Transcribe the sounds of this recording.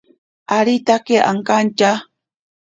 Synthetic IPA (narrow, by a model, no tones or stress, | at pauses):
aɾit̪akeʔa̰ŋkant͡ʃa